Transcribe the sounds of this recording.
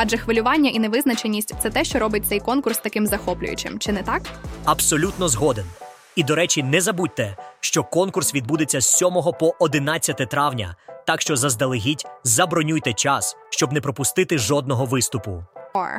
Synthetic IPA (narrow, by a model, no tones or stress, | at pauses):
ɐd͡ʒɛxʋɪlʲʊʋɑnʲːɐʔinɛʋɪznɐt͡ʃenʲːisʲtʲt̪sɛt̪ɛʃt͡ʃɔɾɔbɪt̚ʲt̪ɛjkɔnkʊrst̪ɐkɪmzɐxɔplʲʊ̰jʊ̰t͡ʃɪ̰mt͡ʃɪnɛt̪ɑkɐbsɔlʲut̪nɔzɦɔd̪en | id̪ɔɾɛt͡ʃinɛzɐbut̚ʲt̪ɛʃt͡ʃɔkɔnkʊrsʋʲid̪̚bud̪et͡sʲːɐssʲɔmɔɦɔpɔʔɔd̪ɪnɑt͡sʲːɐt̪ɛt̪ɾɑwnʲɐ̰t̪ɑkʃt͡ʃɔzɐzd̪ɐlˠɪɦʲitʲzɐbɾɔnʲujt̪ɛt͡ʃɑsʃt͡ʃɔbnɛpɾɔpʊst̪ɪt̪ɪʒɔd̪̚nɔɦɔʋɪst̪ʊpʊ̰